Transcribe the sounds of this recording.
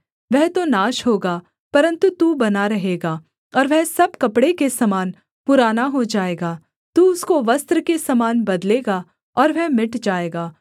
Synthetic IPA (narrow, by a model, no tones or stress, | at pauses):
ʋɛɦt̪onaːʃɦoːɡaː | pɐɾə̃nt̪ut̪uːbɐnaɾɐɦeːɡaː | ɔːɾʋɛɦsɐb̚kɐpɽekesɐmaːn | pʊɾaːnaɦod͡ʒaːeːɡaː | t̪uːʊskoʋɐst̪ɾəkesɐmaːnbɐd̪leːɡaː | ɔːɾʋɛɦmɪʈd͡ʒaːeːɡaː